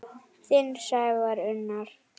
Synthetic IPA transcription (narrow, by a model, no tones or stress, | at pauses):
θɪnsaːjvaɾʏnːaɾ̥